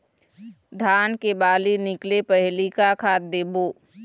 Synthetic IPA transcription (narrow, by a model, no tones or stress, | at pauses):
d̪ʱaːnkebaːlinɪklepɛɦlikakʰaːt̪̚d̪eːboː